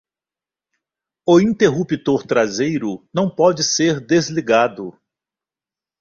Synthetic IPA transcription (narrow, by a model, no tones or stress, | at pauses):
ʊĩnt̪eɦupit̪oɾt̪ɾazejɾʊnɐ̃w̃pɔd͡ʒɪseɾd̪ezliɡad̪ʊ